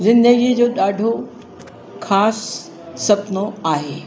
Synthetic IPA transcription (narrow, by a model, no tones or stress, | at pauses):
zɪ̃nd̪əɡid͡ʑoːɗaːɖʱo | kʰaːsː | ɐpnoaːɦeː